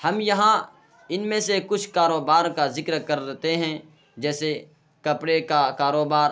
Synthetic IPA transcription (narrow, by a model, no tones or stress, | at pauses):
hɐmjɐɦã | ɪnmẽsekʊt͡ʃʰkaːɾoːbaːɾkazɪkɾkɐɾɾɛt̪eɦɛ̃ | d͡ʒɛːse | kɐpɽekakaːɾoːbaːɾ